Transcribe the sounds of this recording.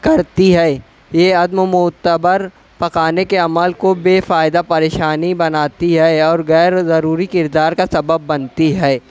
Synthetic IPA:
kɐɾt̪iɦɛː | jeɐd̪momʊt̪ːəbəɾ | pɐkaːnekeɐməlkobeːfaːɪd̪apɐɾeːʃaːnibɐnaːt̪iɦɛɔːɾɣɛːɾzɐɾuːɾikɪɾd̪aːɾkasɐbəbːɐnt̪iɦɛː

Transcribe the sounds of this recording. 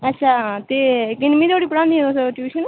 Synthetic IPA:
ətːʃʰaːt̪eːkɪnmĩːt̪ʰoːɽiːpəɽãːnd̪iːɛ̃t̪oːsʈuːʃən

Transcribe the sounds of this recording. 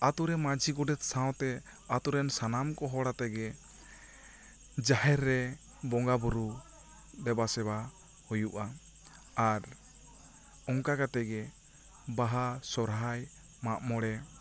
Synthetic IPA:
at̪uɾɛmãd͡ʒʱiɡɔɖɛt̪̚sãw̃t̪ɛ | at̪uɾɛnsanamkɔɦɔɽat̪ɛɡɛ | d͡ʒaɦɛɾːɛ | bɔŋɡabɔɾu | d̪ɛbasɛba | hujuʔa | aɾ | ɔŋkakat̪ɛɡɛ | baɦasɔɾɦaj | maʔmɔɽɛ

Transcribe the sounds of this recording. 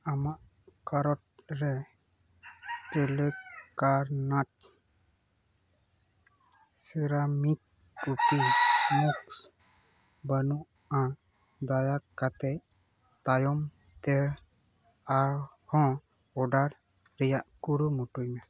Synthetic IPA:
amaʔ | kaɾɔt̪̚ɾɛ | keləkaɾnat̪̚ | siɾamik̚ː | upimuks | bənuʔ | a | d̪ajakat̪ɛj | t̪ajɔm | t̪ɛ | aɾ | hɔ̃ | ɔɖaɾ | ɾɛjaʔkuɾumuʈujmɛ

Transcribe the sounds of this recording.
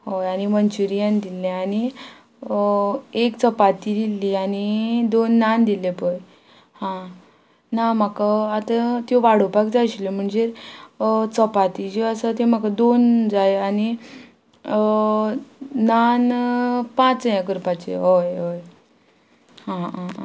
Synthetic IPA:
ɦojanimənt͡ɕuɾijãnd̪ilẽani | ekt͡səpat̪id̪ilːianid̪onːand̪ilepəj | hã | nam̤akaat̪at̪joʋaɽ̤opak̚d͡zajɕlem̤əɳd͡zeɾ | t͡səpat̪id͡ʑeəsat̪ẽm̤akad̪ond͡zajani | nanpãt͡sjakɾupat͡ɕḛɦojɦoj | hãã

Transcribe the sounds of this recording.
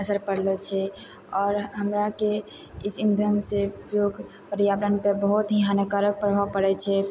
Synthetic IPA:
əsəɾpəɽlet͡ʃʰɛ | ɔːɾɦəmɾake | isind̪ʱənsepjoɡʱ | pəɾijabɾənpebəɦut̪ɦiɦanəkaɾək̚pəɾɦapəɽɛt͡ʃʰɛ

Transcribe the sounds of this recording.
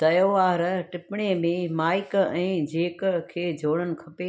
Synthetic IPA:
t̪ɐjoaːɾʈɪpɪɽ̃emẽmaːɪkɛ̃ːd͡ʑʱeːkkʰeːd͡ʑʱoːɽənɪ̆kʰɐpe

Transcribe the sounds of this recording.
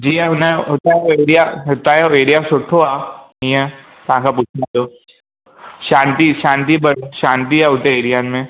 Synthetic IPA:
d͡ʒiːɦɛʊnẽɦoːt̪aɦɛoeːɾijaɦoːt̪aɦɛoeːɾijasʊʈʰoaːɦĩɦɛ̃ | t̪ɐɦãkapuːt͡ʃʰnad̪oː | ʃãːnt̪iʃãːnt̪̬ibɐɽoʃãːnt̪iɦɛɦot̪eeːɾijamẽ

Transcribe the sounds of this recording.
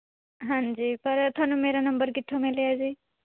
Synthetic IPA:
ɦãnd͡ʒiːpɐɾt̪ʰonumeɾanəmbəɾkit̪ʰːomeliazi

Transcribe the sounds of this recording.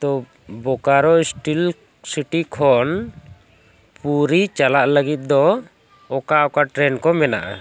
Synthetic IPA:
t̪ɔ | bɔkaɾɔisʈil | siʈikʰɔn | puɾit͡ʃalaʔləɡit̪̚d̪ɔ | ɔkaɔkaʈɾɛnkɔmɛna̰ʔa̰

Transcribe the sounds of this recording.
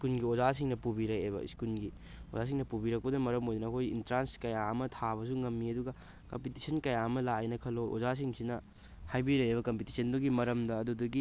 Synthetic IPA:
iskunɡiozas̬iŋnɐpubiɾɐjeβɐ̰ḭskunɡi | o̰zas̬iŋnɐpubiɾɐk̚pɐdɐmɐɾɐmojd̪ɐnɐːkʰojḭntɾanskɐjaɐmɐtʰaβɐs̬uŋɐmːiɐduɡɐ | kɐmpitisɐnkɐjaɐmɐlaenɐkʰɐloʔo̰zas̬iŋsinɐ | hajbiɾɐjebɐkɐmpiti̥sɐnduɡimɐɾɐmdɐːdudɐɡi

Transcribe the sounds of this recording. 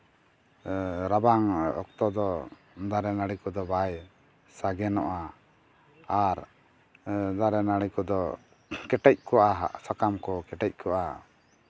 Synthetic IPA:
ɾabaŋɔ̰k̚t̪ɔd̪ɔ | d̪aɾɛnaɽikɔd̪ɔbaj | saɡɛnɔʔaː | ɾ | d̪aɾɛnaɽikɔd̪ɔ | kɛʈɛc̚kɔʔaɦa̰ʔsakamkɔkɛʈɛc̚ˀkɔʔa̰

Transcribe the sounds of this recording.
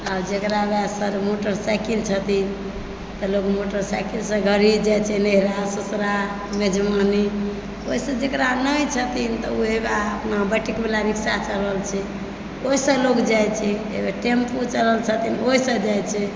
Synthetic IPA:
ad͡ʒekɾabɛsəɾmoʈəɾsakilt͡ʃʰət̪in | t̪əlokmoʈəɾsakilsə̃ɡʱəɾid͡ʒajt͡ʃʰɛneɦɾasusɾa | med͡ʒmani | oisə̃d͡ʒekɾanəjt͡ʃʰət̪int̪ɔuɦebaəpnabəʈikmelaɾiksat͡ʃələlt͡ʃʰɛ | oisə̃lokd͡ʒajt͡ʃʰɛḛbeʈemput͡ʃələlt͡ʃʰət̪inoisə̃d͡ʒajt͡ʃʰɛ

